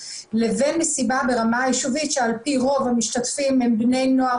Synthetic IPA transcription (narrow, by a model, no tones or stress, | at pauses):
le̞ve̞nmesibabe̞ʁamajeʃuvitʃealpiʁo̞vhamiʃtatfimhembne̞jnoa